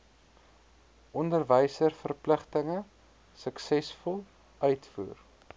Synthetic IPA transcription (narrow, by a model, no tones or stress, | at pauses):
ʔɔndərvəjsərfərpləχtəŋə | səksɛsfɔlˠ | œɥtfṵːr